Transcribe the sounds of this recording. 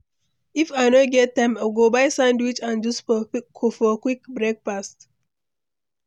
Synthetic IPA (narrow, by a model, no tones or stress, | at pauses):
ifaɪnoɡɛtːãɪ̃maɡobaɪsãndwit͡ʃãnd͡ʒɔskʰofɔkwikbɹek̚fast